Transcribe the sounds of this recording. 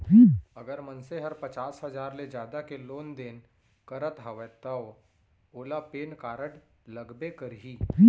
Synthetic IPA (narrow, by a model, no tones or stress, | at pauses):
ɐɡəɾmɐ̃nseɦəɾpɐt͡ʃaːsɦɐzaːɾled͡ʒjaːd̪akeloːnd̪eːn | kɐɾət̪ɦɐʋɛt̪ao | oːlapeːnkaːɾəʈlɐɡbekəɾɦiː